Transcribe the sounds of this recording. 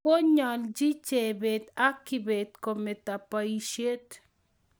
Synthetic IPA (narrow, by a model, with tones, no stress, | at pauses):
o˦ɲa˨ld͡ʒi˦t͡ʃe˨be˨t̪a˦kːi˨be˨t̪ko˨me˨t̪a˨pa˨iʃe˦t̪